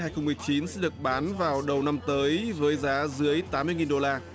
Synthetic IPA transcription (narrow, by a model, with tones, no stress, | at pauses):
haː˧˩jxə˧wŋ͡mmɨ˨˩əjt͡ɕi˨˦nsɛ̰˧˥ɗɨ˨˩ək̚ɓaː˨˦nvaː˨˩wɗə˨˩wna˧mt̪əː˨˦jvəː˨˦jzaː˨˦zɨ˨˦əjt̪aː˨˦mɨ˧əjŋi˨˩nɗo˧laː˧